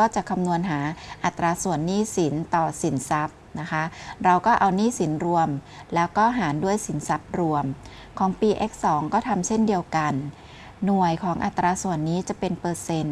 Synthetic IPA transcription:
kɔː˥˩t͡ɕa˨˩kʰa˧mnu˧ənɦaː˩˦ʔa˨˩t̪ːɾaː˧su˨˩ənːiː˥˩si˩˦nt̪ɔː˨˩si˩˦nsa˦˥p̚na˦˥kʰa˦˥ɾa˧wkɔː˥˩ʔa˧wniː˥˩si˩˦nɾu˧əm | lɛː˦˥wkɔː˥˩ɦaː˩˦ndu˥˩əjsi˩˦nsa˦˥p̚ɾu˧əm | kʰɔː˩˦ŋpiː˧ʔe˦˥k̚sɔː˩˦ŋkɔː˥˩t̪ʰa˧mt͡ɕʰe˥˩ndi˧əwka˧nː | u˨˩əjkʰɔː˩˦ŋʔa̰˨˩t̪ːɾaː˧su˨˩ənːiː˦˥t͡ɕa˨˩pe˧npɤː˧se˧n

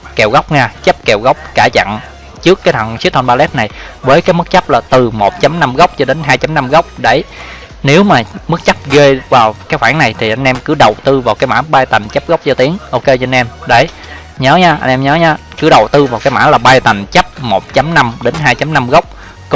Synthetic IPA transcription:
kɛ˨˩wɣa˦˥wk͡p̚ŋaː˧t͡ɕə˦˥p̚kɛ˨˩wɣa˦˥wk͡p̚kaː˧˩t͡ɕa̰˧˨n | t͡ɕɨ˦˥əkːaː˨˦jt̪ʰə˨˩nsi˦˥t̚tʰɔ˧nɓaː˧lɛ˦˥t̚na˨˩j | vəː˨˦jkaː˨˦jmɨ˦˥k̚t͡ɕə˦˥p̚laː˨˩t̪ɨ˨˩mo˨˩t̚t͡ɕa˨˦mna˧mɣa˦˥wk͡p̚t͡ɕɔ˧ɗe˨˦nɦaː˧jt͡ɕa˨˦mna˧mɣa˦˥wk͡p̚ɗe˧˩ | ne˨˦wmaː˨˩mɨ˦˥k̚t͡ɕa˦˥p̚ɣe˧vaː˨˩wkaː˨˦jxwaː˧˩ŋna˨˩jt̪ʰi˨˩ʔa˧jŋ̟ʔɛ˧mkɨ˨˦ɗə˨˩wt̪ɨ˧vaː˨˩wkaː˨˦jma̰ː˧˥ɓaː˧jt̪a˨˩ŋ̟t͡ɕə˦˥p̚ɣa˦˥wk͡p̚zɔ˧t̪i˨˦əŋʔo˧ke˧t͡ɕɔ˧nʔɛ˧mɗe˧˩ | ɲəː˨˦ɲaː˧ʔa˧jŋ̟ʔɛ˧mɲəː˨˦ɲaː˧ | kɨ˨˦ɗə˨˩wt̪ɨ˧vaː˨˩wkaː˨˦jma̰ː˧˥laː˨˩ɓaː˧jt̪a˨˩ŋ̟t͡ɕə˦˥p̚mo˨˩t̚t͡ɕa˨˦mna˧mɗe˨˦nɦaː˧jt͡ɕa˨˦mna˧mɣa˦˥wk͡p̚ | k

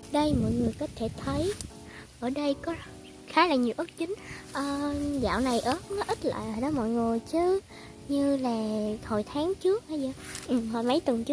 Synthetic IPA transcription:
ɗə˧jmɔ̰˧˨jŋɨ˨˩əjkɔ˨˦t̪ʰe˧˩t̪ʰə˨˦j | ʔʔəː˧˩ɗə˧jkɔ˨˦ | xaː˨˦laː˨˩ɲi˨˩əwʔə˦˥t̚t͡ɕï˨˦ŋ̟ʔəː˧˩za̰ː˧˨wna˨˩jʔəː˧˦xə˧˦wn˨˦ʔï˦˥t̚lə̰ː˧˨jəː˨˩jɗɔ˨˦mɔ̰˧˨jŋu˨˩jt͡ɕɨ˧ | ɲɨ˧laː˨˩ho˨˩jt̪ʰaː˨˦ŋt͡ɕɨ˦˥ək̚ʔa˨˦zə˨˩ʔɨ˨˩ho˨˩jmə˨˦jt̪wə˨˩nt͡ɕɨ˦˥ə

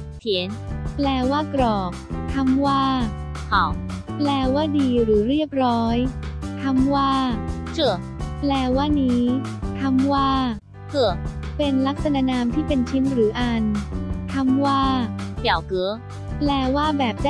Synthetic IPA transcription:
t̪ʰi˩˦nplɛː˧waː˥˩kɾɔː˨˩k̚t̪ʰa˧mwaː˥˩ | hɔː˨˩˦ŋplɛː˧waː˥˩diː˧ɾɯː˩˦ɾiː˥˩əp̚ɾɔː˦˥jt̪ʰa˧mwaː˥˩ | t͡ɕɯ˧˩ə | plɛː˧waː˥˩niː˦˥ | t̪ʰa˧mwaː˥˩ | kɯ˨˧˩əpe˧nla˦˥k̚sa˧na˧naː˧mt̪ʰiː˥˩pe˧nt͡ɕʰi˦˥nɾɯː˩˦ʔa˧nt̪ʰa˧mwaː˥˩ka˨˩wkɯ˩˦ə | plɛː˧waː˥˩bɛː˨˩p̚d

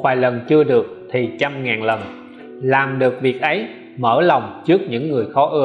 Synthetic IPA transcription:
vaː˧˩jlə˨˩nt͡ɕɨ˧əɗɨ˨˩ək̚t̪ʰi˨˩t͡ɕa˧mŋaː˨˩nlə˨˩n | laː˨˩mɗɨ˨˩ək̚vi˨˩ək̚ʔə˨˦j | məː˧˩la˨˩wŋ͡mt͡ɕɨ˦˥ək̚ɲɨ̰˧˥ŋːɨ˨˩əjxɔ˨˦ʔɨ˧

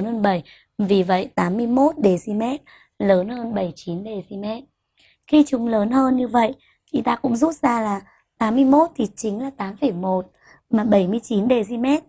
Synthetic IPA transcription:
nhəː˧nɓə˧˩j | vi˨˩və̰˧˨jt̪aː˨˦mːɨ˧əjmo˦˥t̚ɗe˨˩zi˧mɛ˦˥t̚ | ləː˨˦nhəː˧nɓə˧˩jt͡ɕi˨˦nɗe˨˩zi˧mɛ˦˥t̚ | xi˧t͡ɕʊ˨˦ŋ͡mləː˨˦nhəː˧nɲɨ˧və̰˧˨jʔ | i˨˦t̪aː˧kʊ̰˧˥ŋ͡mzu˦˥t̚zaː˧laː˨˩ | t̪aː˨˦mːɨ˧əjmo˦˥t̚t̪ʰi˨˩t͡ɕï˨˦ŋ̟laː˨˩t̪aː˨˦mfə˧˩jmo˨˩t̚ | maː˨˩ɓə˧˩jmɨ˧əjt͡ɕi˨˦nɗe˧˩zi˧mɛ˦˥t̚

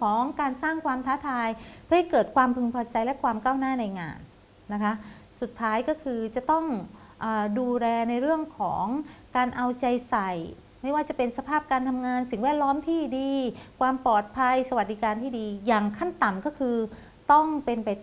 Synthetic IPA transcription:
kʰɔː˨˩˦ŋkaː˧nsaː˥˩ŋkʰwaː˧mt̪ʰaː˦˥t̪ʰaː˧jpʰɯː˥˩a˥˩jkɤː˨˩t̪̚kʰwaː˧mpʰɯ˧ŋpʰɔː˧t͡ɕa˧jlɛ˦˥ʔkʰwaː˧mkaː˥˩wnaː˥˩na˧jŋa̰ː˧nː | a˦˥kʰa˦˥ʔ | su˨˩t̪ʰːaː˦˥jkɔː˥˩kʰɯː˧t͡ɕa˨˩t̪ɔ˥˩ŋ | ʔaː˨˩duː˧lɛː˧na˧jɾɯ˥˩əŋkʰɔ̰ː˩˦ŋkaː˧nʔa˧wt͡ɕa˧jsa˨˩j | ma˥˩jwaː˥˩t͡ɕa˨˩pe˧nsa˧pʰaː˥˩p̚kaː˧nt̪ʰa˧mŋaː˧nsi˨˩ŋwɛː˥˩t̪̚lɔː˦˥mt̪ʰiː˥˩diː˧kʰwaː˧mpɔː˨˩t̪̚pʰa˧jsa˧wa˨˩t̪̚diː˨˧˩kaː˧nt̪ʰiː˥˩diː˧jaː˨˩ŋkʰa˥˩nt̪a˨˩mkɔː˥˩kʰɯː˧ | t̪ɔ˥˩ŋpe˧npa˧j

